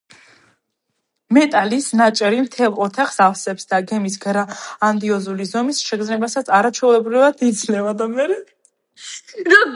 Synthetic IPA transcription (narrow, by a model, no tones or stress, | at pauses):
mɛt̪ʼalisnat͡ʃʼɛɾimt̪ʰɛlˠɔt̪ʰaχsafsɛpsd̪aɡɛmisɡɾaːnd̪iɔzulizɔmisʃɛɡd̪znɛbasat̪sʰaɾat͡ʃʰɛulɛbɾivat̪ʰid̪zʰnɛvad̪amɛɾɛ